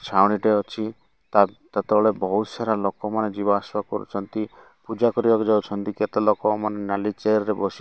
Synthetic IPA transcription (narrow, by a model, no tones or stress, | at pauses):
t͡ʃʰawɽ̃iʈeɔt͡ʃʰi | t̪at̪at̪ɔɔɭebɔut̪saɾalɔkɔmaned͡ʒibaːswakɔɾṵt͡ʃʰɔnt̪i | pud͡ʒakɔɾibakd͡ʒawt͡ʃʰɔnt̪iket̪elɔkɔmanenalit͡ʃeɾɾebɔsi